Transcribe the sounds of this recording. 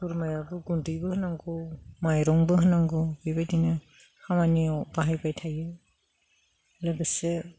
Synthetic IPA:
puɾmajabɯɡundɯjbɯhɯnaŋɡɔmajɾɔŋbɯɦɯnaŋɡɔbɯjbajdinɯ | hamanibaɦajbajtʰajɯ | laɡɯse

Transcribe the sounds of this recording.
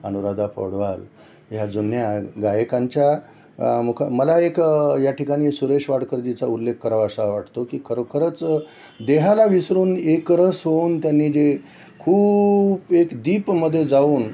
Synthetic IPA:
ə̰nuɾad̪apə̰ɽʋal | jad͡zunjaɡajəkãɲt͡ɕja | mukʰməlaekjaʈʰikaɽ̃iːsuɾeʂʋaɽkəɾd͡ʑit͡saulːekːəɾaʋəsaʋaʈt̪okiːkʰəɾokʰəɾət͡s | d̪eɦalaʋisɾuːnekɾəsɦount̪janːiːd͡ʑe | kʰuːbekd̪iːpməd̪ʱːjed͡zauːn

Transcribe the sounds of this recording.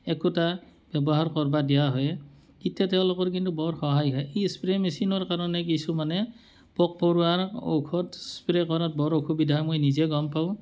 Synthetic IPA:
ɛkutab̥ɛbɔɦaɹkɔɹbadijaɦɔj | kitːatɛʊ̃lʊkɔɹkintubɔɹxɔɦajɦɔjejspɹemesinɔɹkaɹɔnɛkisumanɛ | pɔk̚pɔɹuaɹo̰kʰɔtspɹɛkɔɹat̚bɔɹokʰubidʱaɦɔjmojnizɛɡɔmpaʊ̃

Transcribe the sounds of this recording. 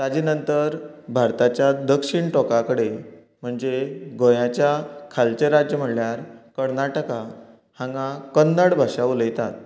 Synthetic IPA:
t̪ad͡ʑinənt̪əɾbʱaɾt̪at͡ɕjad̪əkʂiɳʈɔkakəɽe | m̤əɳd͡zeɡojãt͡ɕjakʰalt͡ɕeɾad͡ʑjəm̤əɽljaɾkəɾnaʈəka | hãŋɡakənːəɽbʱəʂaʋləjt̪at̪̚

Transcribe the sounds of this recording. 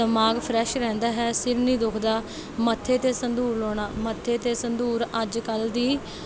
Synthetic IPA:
əmaːɡpʰɾɛːʃɾɛ̃ːnd̪aːɦɛːsɪɾnĩːd̪ʊkʰd̪aː | mət̪ʰːeːt̪eːsənd̪uːɾloːɽ̃aːmət̪ʰːeːt̪eːsənd̪uːɾəd͡ʒkəld̪iː

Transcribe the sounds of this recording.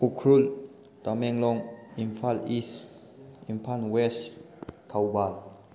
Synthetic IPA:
ukʰɾul | t̪amɛŋlɔŋimfalis | impʰanwɛs | kʰawbal

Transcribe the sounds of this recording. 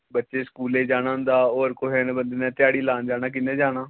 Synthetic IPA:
bətːʃeːskuːleːd͡ʒaːɽ̃aːɦʊ̃nd̪aːoːɾkoɦeːnebənd̪eːnɛ̃ːt̪ɪaːɽiːlaːnd͡ʒaːñaːk̬ɪnːẽːd͡ʒaːɽaː

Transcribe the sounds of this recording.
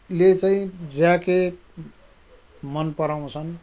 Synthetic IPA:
let͡saĩd͡zake | mʌnpʌɾaw̃t͡sʰʌn

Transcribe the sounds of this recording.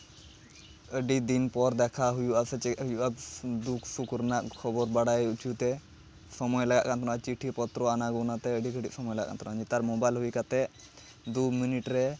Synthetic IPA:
əɖid̪inpɔɾd̪ɛkʰaɦujuʔasɛt͡ʃɛɦujuʔabd̪ukʰsukɾnaʔkʰɔbɔɾbaɽajut͡ʃʰut̪ɛ | sɔmɔjlaɡa̰ʔkʰant̪ɔnat͡ʃiʈʰipɔt̪ɾɔanaɡɔnat̪ɛəɖikəɖḭʔsɔmɔjlaɡa̰ʔka̰nt̪ɔnad͡ʒit̪aɾmobajlɦujkat̪ɛ | d̪uminiʈɾɛ

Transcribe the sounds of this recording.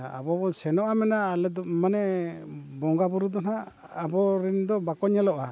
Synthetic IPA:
a̰bɔbɔsɛnɔʔamɛnaːlɛd̪ɔmanɛ | bɔŋɡabuɾud̪ɔnaʔ | abɔɾɛnd̪ɔbakɔɲɛlɔʔa

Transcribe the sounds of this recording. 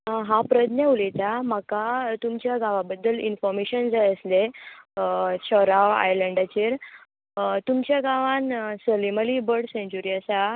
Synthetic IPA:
ɦapɾəd̪neulet̪amakat̪umt͡ɕjaɡaʋabəd̪ːəlinfɔɾmeɕənd͡zajəsle | t͡ɕɔɾaʋa̰jləɳɖat͡ɕiːɾ | t̪umt͡ɕjaɡaʋãnsəliməlibəɾɽsẽɲt͡ɕuɾiəsa

